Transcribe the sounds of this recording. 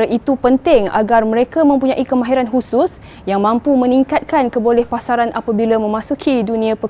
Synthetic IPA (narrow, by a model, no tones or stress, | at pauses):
aʔit̪upənt̪ɪŋa̰ɡarmə̃ɾekamə̃mpuɲãʔikəmãɦiɾanɦusʊs | jaŋmãmpumə̃niŋkat̪̚kankəbolɛhpasaɾanʔapabilamə̃mãsukʰidunĩãpə